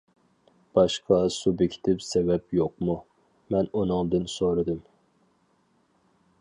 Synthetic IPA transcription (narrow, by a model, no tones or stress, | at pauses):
b̥ɑʃqʰɑsubekʲʰi̥t̪ʰɪpsɛvɛpjoqmu | mɛnunɨŋd̪ɨnsoɾɨd̪ɨm